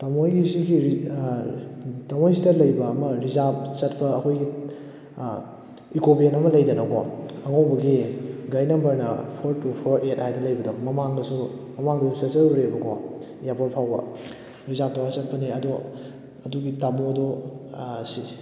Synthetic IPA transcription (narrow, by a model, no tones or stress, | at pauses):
tamojɡisiɡii | tamojs̬idɐlɐjbɐːmɐɾizap̚t͡ʃɐtpɐːkʰojɡi | ikobienɐmɐlɐjdɐnɐɡɔ̰ɐŋawbɐɡiɡajnɐmbɐɾnɐ̰pʰoɾtupʰoɾʔet̚hajdɐlɐjbɐdɔmɐmaŋdɐsumɐmaŋdɐsusesɐɾɾebɐɡɔ | japoɾpʰawbɐ̰ | ɾizap̚tawasɐt̚pɐniɐdɔ | ɐduɡitamodɔ | si